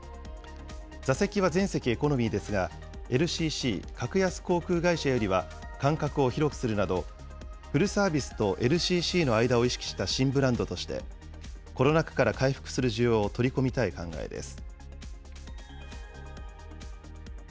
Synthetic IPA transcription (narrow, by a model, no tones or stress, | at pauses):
d͡zase̞kʲiβazẽ̞ɰ̃se̞kʲie̞ko̞no̞mʲid̪e̞sɨɡa | e̞ɾɯ̟ɕiːɕḭːkakɯ̟jasɨ̥ko̞ːkɯ̟ːɡaiɕajo̞ɾʲiβa | kãŋkakɯ̟o̞çiɾo̞kɯ̟̥sɨɾɯ̟nad̪o̞ | ɸɯ̟ɾɯ̟saːbʲisɨ̥t̪o̞ʔe̞ɾɯ̟ɕiːɕiːno̞aid̪ao̞iɕi̥kʲi̥ɕi̥t̪aɕĩmbɯ̟ɾãnd̪o̞t̪o̞ɕi̥t̪e̞̰ | koɾo̞nakɯ̟̥kaɾakaiɸɯ̥kɯ̟̥sɨɾɯ̟ʑɨjo̞ːt̪o̞ɾʲiko̞mʲit̪aikã̰ŋɡa̰e̞̰d̪e̞̰sɨ̥